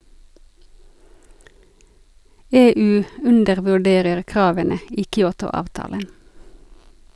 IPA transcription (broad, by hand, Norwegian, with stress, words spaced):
ˈeːˌʉː ˈʉndəʁʋʉˌɖeːʁəʁ ˈkʁɑːʋənə ˈiː kʏˈuːtʊ ˈɑːʋtɑːlən